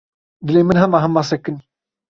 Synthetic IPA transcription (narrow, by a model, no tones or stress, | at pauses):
d̪ɨleːmɨnɦɐmaːɦɐmːaːsɐkːɨn